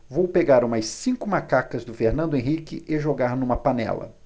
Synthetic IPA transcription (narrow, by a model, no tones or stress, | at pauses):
vowpeɡaɾũmɐssĩkʊmakakɐzd̪ʊfeɾnɐ̃nd̪ʊẽɦikɪʔeʒoɡaɾnũmɐpanɛ̰lɐ̰